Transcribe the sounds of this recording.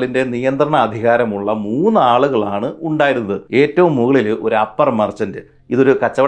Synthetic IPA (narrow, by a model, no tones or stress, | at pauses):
ɭinde̞nijɐnd̪rɐɳɐːd̪ʱiɣaːɾɐmuɭːɐmuːnːaːɭuɣɐɭaːɳɨuɳɖaːjɾunːɐðɨe̞ːtːɐʋumːuɣɐɭilo̞ɾuɐpːɐrmɐrt͡ɕːɐndɨ | iðo̞ɾukɐt͡ɕːɐʋɐ